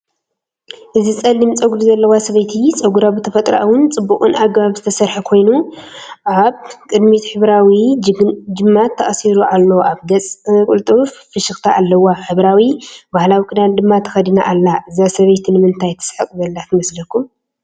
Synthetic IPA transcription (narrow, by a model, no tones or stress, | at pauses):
ʔɨzit͡sʼɐlːimt͡sʼɐɡuluzɐlːɐwasɐβɐjt̪ʰit͡sʼɐɡuɾabɨt̪ʰɐfɐt̪ʼɾa̰ʔwʊnt͡sʼɨbːukʼɨnaɡbaβzɨt̪ʰɐsɐɾħakʰo̞jnuʔaβkʼɨd̪mit̪ħɨβɾawi | d͡ʒɨmːat̪ʰːɐʔʼɐsiɾuʔalːoʔaβɡɐt͡sʼkʼult̪ʼɨffɨʃɨxt̪ʰaʔːlːɐwaħɨβɾawibahlawikʼɨd̪and̪ɨmːat̪ʰɐ̥xɐd̪ina̰ʔalːaʔɨzasɐβɐjt̪ʰinɨmɨnt̪ʰajt̪ʰɨ̥sħɨkʼzɐlːat̪ʰɨmɐslɐkʰːum